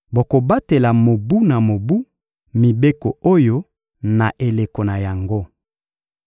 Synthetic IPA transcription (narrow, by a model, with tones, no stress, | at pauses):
bo˨ko˨ba˦te˨la˨mo˨bu˦na˨mo˨bu˦ | mi˨be˦ko˨o˦jo˦ | na˨ʔe˨le˨ko˨na˨ja˨ŋɡo˦